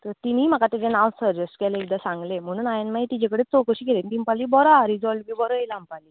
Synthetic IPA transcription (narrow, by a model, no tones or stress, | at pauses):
t̪əɾt̪iniːm̤akat̪ed͡ʑenawsəɾd͡ʑəsʈkɛleeɡ̚d̪asãŋɡlem̤əɽ̃uːnajanmait̪id͡ʑakəɽet͡sokəɕiːkelenit̪impaliːbɔɾaɾid͡zɔlbiːbɔɾəilampaliː